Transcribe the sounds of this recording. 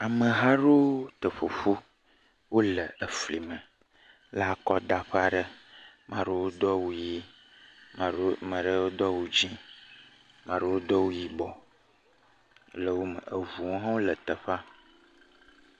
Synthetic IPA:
a˨mə˨ɦa˦ɖo˦t̪ə˨ɸo˨ɸu˦ | wo˦lə˨ə˨fli˨mə˨ | la˦kɔ˦d̪a˨ɸa˦ɖə˦ | mã˨ɖə˦wo˦d̪ɔ˦wu˦ji˦˨ | mə̃˨ɖə˦wo˦d̪ɔ˦wu˦d͡ʒĩ˦ | mã˨ɖə˦wo˦d̪ɔ˦wo˦ji˦bɔ˨˦ | lə˦wo˦mə̰˨ə˨vu˨wõ˦ɦã˦wo˦lə˨t̪ə˨ɸa˦

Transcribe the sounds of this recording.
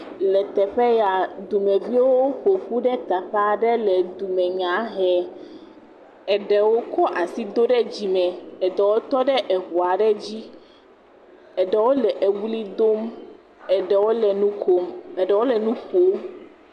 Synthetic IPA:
lɛ˨t̪ɛ˨ɸɛ˦ja˨d̪u˨mɛ̃˨vi˦wo˦ɸo˨ɸu˦ɖɛ˦t̪a˨ɸa˦ɖɛ˦lɛ˨d̪u˨mɛ̃˨ɲã˨˦ɦɛ˨ | ɛ˨ɖɛ˨wo˦kɔ˦ʔa˨si˦d̪o˦ɖɛ˦d͡ʑi˨mɛ̃˨ɛ˨ɖɛ˨wo˦t̪ɔ˦ɖɛ˦ʔɛ˨ɦu˨a˨ɖɛ˦d͡ʑi˦ | ɛ˨ɖɛ˨wo˦lɛ˨ʔe˨wu˦li˦d̪o˦m | ɛ˨ɖɛ˨wo˦lɛ˨nũ˦ko˨mɛ˨ɖɛ˨˦wo˦lɛ˨nũ˦ɸo˨˦

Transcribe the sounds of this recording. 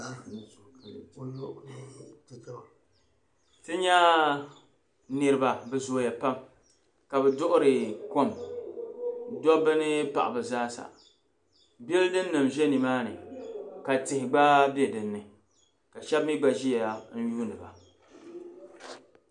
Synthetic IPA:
tɨ˦ɲa˦ | nɨ˨ɾɨ˦ba˨bɛ˨zoː˦ja˨pa˦m | ka˨bɛ˨dʊ˦ʔʊ˦ɾɨ˨ko˦m | dɔ˦bɨ˦nɨ˦pa˨ʔa̰˨bɨ˨zaː˦sa̰˨ | bɛ˦ldɨ˦nː˦ɨ˨mʒɛ˦ni˨maː˦nɨ̰˨ka˨tɪ˨hɪ˨ɡ͡baː˦bi˦e˦dɨ˨nːɨ˨ | ka˨ʃɛ˦bmi˦ɡ͡ba˨ʒi˦ja˨ja˨n̩˦juː˦nɨ˨ba˨

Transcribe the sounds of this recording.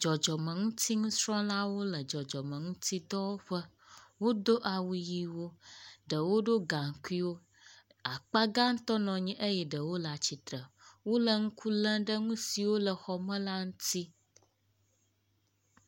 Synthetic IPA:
d͡ʒɔ˨d͡ʒɔ˨mə̃˨ŋũ˦t̪ʰi˦ŋũ˦sɾɔ̃˦la˦wo˦lə˨d͡ʒɔ˨d͡ʒɔ˨mə̃˨ŋũ˦t̪ʰi˦d̪ɔ˦wo˦ɸə˦ | wo˦d̪o˦ʔa˨wu˨ji˨wo˦ɖə˨wo˦ɖo˦ɡa˨ŋ˨ku˦i˦wo˦ | a˨k͡pa˦ɡa˦ŋ̩˦t̪ɔ˦nɔ̃˨ɲĩ˦ʔə˦jɛ˨ɖə˨wo˦la˨t͡ɕi˨t̪ɾə˨wo˦lə˨ŋũ˦kʰu˦lə̃˦ɖə˦ŋũ˦si˨wo˦lə˨xɔ˨mə̃˦la˦ŋũ˦t̪i˦

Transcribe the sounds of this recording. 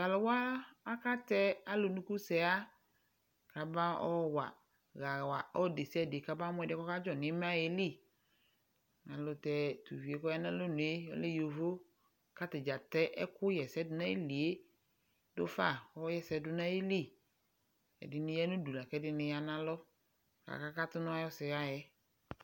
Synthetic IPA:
ɣa˨lʊ˨wa˦a˦ka˦tɛ˦a˦lʊ˨nʊ̃˦ku˦sɛ˨a˦ | ka˨bã˦ɔ̰˦wa̰˨ | ɣa˨wa˨ɔ˦de˨si˦ɛ˨dɪ˨ka˨bã˦mʊ̃˦ɛ˨dɪ˦kɔ˦ka˦d͡ʒɔ˨nɪ̃˨˦mã˦˨ɛ˨li˦˨ | nã˨lʊ˨tɛ˨tu˨vi˨e˨kɔ˦ja˦nã˦lʊ˦nʊ̃˨e˦ɔ̰˦le˦jo˨vo˦ | ka˦tɪ˨d͡ʒa˨tɛ˦ʔɛ˦kʊ˦jɛ˨sɛ˦dʊ˨nã˦e˦li˨e˦ | dʊ˦fa˦˨ɔ˦jɛ˦sɛ˨dʊ˨nã˦e˦li˦˨ | ɛ̰˨dɪ˨nɪ̃˦ja˦nʊ̃˦du˨la˨kɛ˦dɪ˦nɪ̃˦ja˨nã˦lɔ˦ | ka̰˨ka˦ka˦tʊ˦nʊ̃˦a˦jɔ˦sɪ˨ɣa˦jɛ˦

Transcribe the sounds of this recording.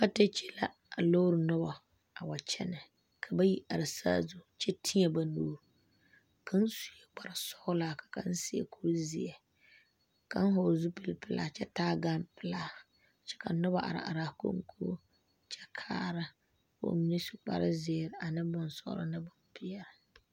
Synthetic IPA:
ka˦te˦t͡ʃe̥˦la˦ | a˨lo˦ɾɨ˨nʊ˦ba˨ | a˨wa˨t͡ʃɛ̰˦nɨ˨ | kʰa˨ba˦ji˦ʔa˨ɾɪ˨sa̰˦zu˦˨t͡ʃɛ˦tʰi˦ɲɛ˨ba˨noː˦ɾ | kʰa˦n̩˦su˦jɛ˨ɡ͡ba˨ɾa˨sɔ˦ʊ˦laː˦˨kḁ˨ka˦n̩˦sɪ˦ḛ˨kʰu˦ɾzi˨jɛ˨ | ka˦n˦ɦo˨zu˦pɨ˦˨lpɪ˦la̰˦˨t͡ʃɛ˦taː˦ɡa˦mpɪ˨laː˦˨ | t͡ʃɛ̥˦ka˨nʊ˦ba˨ʔa̰˨ɾa̰˨ʔa˨ɾa˨ko̰˦ŋ˦kʰu˦ | t͡ʃɛ˦kʰaː˦ɾa˦ | ko̰˨mi˦ni˦su̥˨k͡pa̰˨ɾɪ˦zɪː˨ɾɪ˨a˨nɨ˦bʊ˦nsɔ̰˦ʊ̰˦lɨ̰˦nɨ˦bʊ˦npɪ˦jɛ˨ɾɪ˨

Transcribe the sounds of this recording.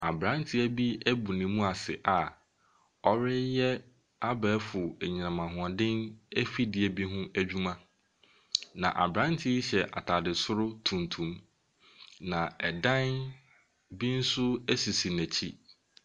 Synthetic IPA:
a˨bɾã˨˦n˦tʰɪ˦æ˦bi˦æ˦bu˨nĩ˨mũ˦a˨sɪ̰˨ʔa˨ | ɔ˦ɾɪ˦jɛ˦ | a˦bɛː˨˦fʊ˨æ˨ɲi˨nã˨mã˨ɦʊ̃˨ã˨dɪ̃˦næ˦fi˦dɪ˨˦ɛ˨bi˦ɦʊ̃˦æ˦d͡ʑᶣu˦mã˦ | nã̰˨ʔa̰˨bɾã˦n˦tʰɪ˦ɕɛ˨ʔa̰˨tʰa˨dɪ˨sʊ˦ɾʊ˦tʰũ˨ntʰũ˨˦m | nã˨ɛ˨dã˦n | bi˦n̩˦sʊ˦æ˦si˨si˨næ˨t͡ɕʰi˦

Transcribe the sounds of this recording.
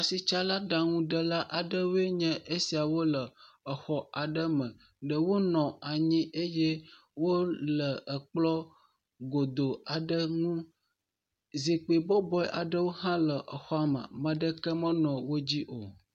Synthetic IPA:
a˨si˨t͡ʃa˦la˦ɖa˨ŋũ˦ɖə˦la˦ʔa˨ɖə˦wo˦e˦ɲɛ̃˦ʔe˦si˨a˨wo˦lə˨ | ə˨xɔ˦a˨ɖə˦mə̃˨ | ɖə˨wo˦nɔ̃˨a˨ɲĩ˦e˦jɛ˦ | wo˦lə˨ə˨k͡plɔ˦ | ɡo˨d̪o˨a˨ɖə˦ŋũ˦ | zi˨k͡pi˨bɔ˦bɔ˦ɛ˦ʔa˨ɖə˦wo˦ɦã˦lə˨ʔə˨xɔ˦a˨mə̰̃˨mə̃˨ɖə˦kə˦mə̃˦nɔ̃˨wo˦d͡ʑi˦ʔo˨

